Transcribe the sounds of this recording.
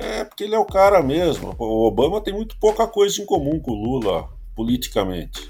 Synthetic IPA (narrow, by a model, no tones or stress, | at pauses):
ɛpoɾkeelɪɛʊkaɾɐmezmʊ̰ʊobɐ̃mɐt̪ẽj̃mũj̃t̪ʊ̥powkɐkojzɐẽkomũkõlulɐ̰ | polit͡ʃi̥kɐmḛ̃nt͡ʃɪ̥